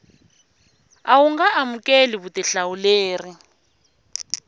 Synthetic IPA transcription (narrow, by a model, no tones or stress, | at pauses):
awuŋɡaʔamukʼeliβutiɬawuleːri